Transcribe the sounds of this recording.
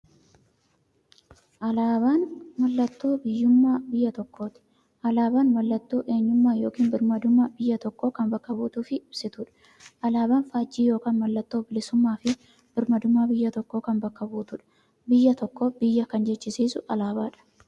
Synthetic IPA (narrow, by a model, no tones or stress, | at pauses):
ʔɐlaːbaːnmɐlːɐt̪ːo̞ːbɪjːʊmːaːbɪjːɐt̪ɔkːo̞ːt̪ɪ̥ | ʔɐlaːbaːnmɐlːɐt̪ːo̞ːʔe̞ːɲːʊmːaːjo̞ːkiːnbɪɾmɐd̪ʊmːaːbɪjːɐt̪ɔkːoːkɐmbɐkːɐbuːt̪ʊːfɪɪb̥sɪt̪ʊᶑɐ̥ | ʔɐlaːbaːnfaːd͡ʒːiːjo̞ːkaːnmɐlːɐt̪ːo̞ːbɪlɪsʊmːaːfɪ | b̥ɪɾmɐd̪ʊmːaːbɪjːɐt̪ɔkːo̞ːkɐmbɐkːɐbuːt̪ʊᶑɐ̥ | bɪjːɐt̪ɔkːoːbɪjːɐkɐnd͡ʒɛt͡ʃːɪsiːsʊʔɐlaːbaːᶑɐ̥